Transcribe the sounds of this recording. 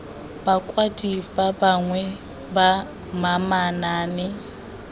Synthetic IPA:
bakʼwadʼibabaŋwɛ | ba | mamanaːnɪ

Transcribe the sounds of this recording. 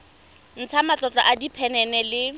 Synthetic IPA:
n̩t͡sʰamat͡ɬʼɔt͡ɬʼɔ̰ʔadipʰɛnɛnɛlɪ

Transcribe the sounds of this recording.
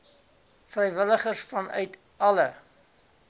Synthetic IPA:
frɛjvələχərsfɐnœ̰ɥt | ɐlə

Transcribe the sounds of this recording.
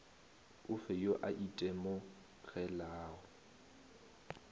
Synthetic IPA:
ʊfɛjoʔaʔitʼɛmo | ɣɛlaːʊ

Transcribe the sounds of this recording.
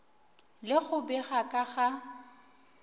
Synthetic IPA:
lɪɣʊbɪɣakʼaɣa

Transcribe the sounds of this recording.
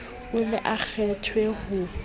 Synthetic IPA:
ʊlɛʔak͡xʰɛtʰwehʊː

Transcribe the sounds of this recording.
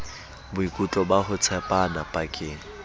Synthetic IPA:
bʊikʼut͡ɬʼɔbaɦʊt͡sʰɛpʼanapʼakʼɪŋ̩

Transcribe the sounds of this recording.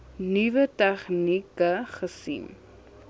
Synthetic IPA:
nivətɛχnikəχəsḭm

